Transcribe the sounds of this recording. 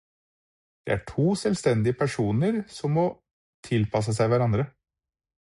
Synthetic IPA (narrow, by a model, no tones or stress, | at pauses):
d̪̥ɛ̰ʔæʈʰuːsɛlst̪ɛnd̪ɪəpʰæʂuːnəɾsɔmːɔ | t̪ʰɪlpʰɑs̬əs̬æɪʋæɾɑnd̪ɾə